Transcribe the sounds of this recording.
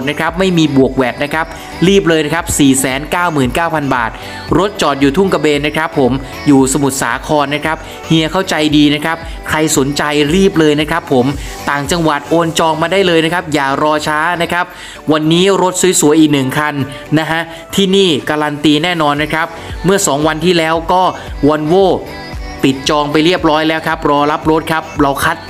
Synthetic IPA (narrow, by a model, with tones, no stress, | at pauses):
na˦˥kʰa˦˥p̚ma˥˩jmiː˧bu˨˩ək̚wɛː˨˩p̚na˦˥kʰa˦˥p̚ | ɾiː˥˩p̬̚lɤː˧jna˦˥kʰa˦˥p̚siː˨˩sɛː˩˦nkaː˥˩wmɯː˨˩nkaː˥˩wpʰa˧nba̰ː˨˩t̪̚ | ɾo˦˥t̪̚t͡ɕɔː˨˩t̪̚juː˨˩t̪ʰu˥˩ŋka˧beː˧nːa˦˥kʰɾa˦˥pʰːo˩˦m | juː˨˩sa˧mu˨˩t̪̚sa̰ː˩˦kʰɔː˧nːa˦˥kʰɾa˦˥p̚ | hi˧əkʰa˥˩wt͡ɕa˧jdiː˧na˦˥kʰa˦˥p̚ | kʰɾa˧jso˩˦nt͡ɕa˧jɾiː˥˩p̚lɤː˧jna˦˥kʰa˦˥pʰːo˩˦mt̪aː˨˩ŋt͡ɕa˧ŋwa˨˩t̪̚ʔoː˧nt͡ɕɔː˧ŋmaː˧daː˥˩jlɤː˧jna˦˥kʰa˦˥p̚jaː˨˩ɾɔː˧t͡ɕʰaː˦˥na˦˥kʰa˦˥p̚ | wa˧nːiː˦˥ɾo˦˥t̪̚su˨˩˦jsu˨˦jʔiː˨˩k̚nɯ˨˩ŋkʰa˧nː | a˦˥kʰa˦˥ʔ | t̪ʰiː˥˩niː˥˩kaː˧ɾa˧nt̪iː˧nɛː˥˩nɔː˧nːa˦˥kʰa˦˥p̚mɯ˥˩ɐsɔː˩˦ŋwa˧nt̪ʰiː˥˩lɛː˦˥wkɔː˥˩ | wa˧nwoː˥˩ | p̪i˨˩t̪̚t͡ɕɔː˧ŋpa˧jɾi˥˩əp̚ɾɔː˦˥jlɛː˦˥wkʰa˦˥p̚ɾɔː˧la˦˥p̚ɾo˦˥t̪̚kʰa˦˥p̚ɾa˧wkʰa˦˥t̪̚